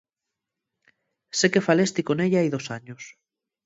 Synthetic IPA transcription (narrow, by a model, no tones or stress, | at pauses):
sekefalest̪ikoneʎaajðosaɲos